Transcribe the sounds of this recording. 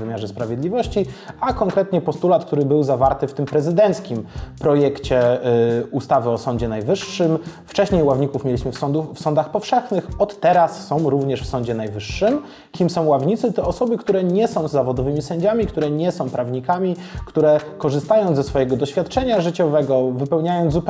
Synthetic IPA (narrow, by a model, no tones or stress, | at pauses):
vɘmʲjaʐɛspɾavʲjed̪lʲivɔɕt͡ɕiakɔŋkɾɛt̪ɲɛpɔst̪ulat̪̚k̚t̪uɾɘbɘwzavaɾt̪ɘft̪ɘmpɾɛzɘd̪ɛnt̪skʲimpɾɔjɛkt͡ɕɛ | ust̪avɘɔsɔɲd͡ʑɛnajvɘʂːɘm | ft͡ʂɛɕɲejwavɲikufmʲjelʲiɕmɘffsɔnd̪axpɔfʂɛxnɘxɔt̪ːɛɾasːɔ̃w̃ɾuvɲɛʂfsɔ̃ɲd͡ʑɛnajvɘʂːɘm | kʲimsɔ̃w̃wavɲit̪sɘt̪ɔːsɔbɘkt̪uɾɛɲɛsɔ̃w̃zːavɔd̪ɔvɘmʲisɛɲd͡ʑamʲikt̪uɾɛɲɛsɔ̃w̃pɾavɲikamʲi | kt̪uɾɛkɔʐɘst̪ajɔ̃w̃zɛsfɔjɛɡɔd̪ɔɕfʲjat̪̚t͡ʂɛɲaʐɘt͡ɕɔvɛɡɔvɘpɛwɲajɔnd̪up